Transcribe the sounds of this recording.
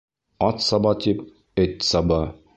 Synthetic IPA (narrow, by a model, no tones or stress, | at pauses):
ɑt̪sɑbɑt̪ip | ɘt̪ʲsɑbɑ